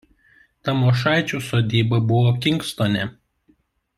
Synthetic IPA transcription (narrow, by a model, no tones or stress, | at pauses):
t̪ɐmoʃ̬ɑˑɪt͡ʃʲuːˑsoːd̪ʲiːbɐbʊʋoːkʲɪŋkst̪oːnʲɛ